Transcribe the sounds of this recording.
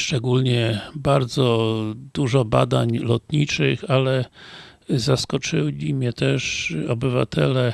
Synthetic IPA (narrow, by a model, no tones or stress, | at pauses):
ʂt͡ʂɛɡulɲɛbaɾd̪zɔd̪̥uʐɔba̰d̪aɲlɔt̪ɲit͡ʂɘxalɛ | zaskɔt͡ʂɘlʲimɲɛt̪ɛʂɔbɘva̰t̪ʰɛlɛ